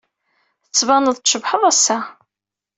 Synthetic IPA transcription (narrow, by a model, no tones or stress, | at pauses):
θət͡sːvɑnəðˤʃəbħəðˤæsːæ